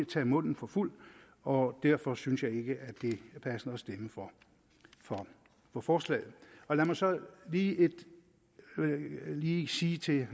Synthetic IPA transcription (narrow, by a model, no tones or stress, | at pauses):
t͡sʰɛ̰ːmɔ̽n̰n̩fɒ̽ful̰ | ɒ̽d̥æɐ̰fɒ̽synsjɑ̈ɪe̝ɡ̥əʔæd̥e̝æɐpʰæsən̩əɒsd̥eməfɒ | fɒ | fɒfɒːslɛ̰ːð̩ˠɒ̽læmɑ̈ɪsɒ̽liːe̝d̥ | liːsiːt͡sʰe̝